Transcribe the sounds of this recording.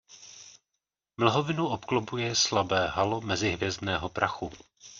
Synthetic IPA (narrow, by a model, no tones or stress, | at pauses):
ml̩ɦovɪnuʔopklobujɛslabɛːɦalo̞mɛzɪɦvjɛzdnɛːɦo̞pɾʔaxu